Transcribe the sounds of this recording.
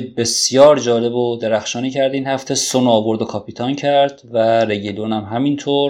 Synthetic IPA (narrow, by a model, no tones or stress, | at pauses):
be̞sjɒːɾd͡ʒɒːle̞bod̪eɾæxʃɒːniːcʰæɾd̪iːnhæft̪ʰesonoːvo̞ɾd̪okʰɒpʰiːt̪ʰɒːncʰæɾd̪væɾe̞ɟilonæmɦæmint̪ʰoːɾ